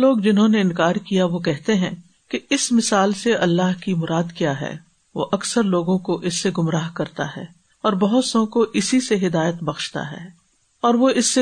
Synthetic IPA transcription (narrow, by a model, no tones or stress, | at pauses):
loːɡd͡ʒɪnɦõneɪ̃nkaːɾkijaʋokɛɦt̪eɦɛ̃ | keɪsmɪsaːlseɐlːaːɦkimʊɾaːd̪kjaːɦɛ̰ː | ʋo̰ʔɐksəɾloːɡõkoʔɪsːeɡʊmɾaːɦkɐɾt̪a̰ɦɛ̰ː | ɔːɾbɐɦʊt̪sõkoʔɪsiseɦɪd̪aːjət̪bɐxʃt̪a̰ɦɛ̰ː | ɔːɾʋoɪsːe